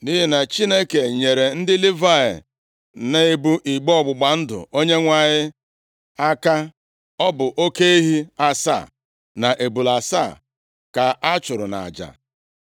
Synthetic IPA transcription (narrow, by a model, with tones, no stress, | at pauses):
ni˦ɦi˦na˨t͡ʃi˦ne˦ke˨ɲe˨ɾe˨n̩˦dɪ˦li˦va˦ḛ˨ | ne˦e˦bu˦ʔi˨ɡ͡bɔ˦˨ɡ͡bʊ˨ɡ͡ba˨n̩˦dʊ̰˨o˦ɲe˦ŋʷa˨ɲɪ˦ | a˦ka˦ | ɔ˦bʊ˨ʔo˦ke˦i˦ɦi˦a˦sa̰˦˨ | na˨ʔe˨bu˨la˨sa̰˦˨ | ka˨ʔa˦t͡ʃʊ˨ɾʊ˨na̰˨a̰˨d͡ʒa̰˨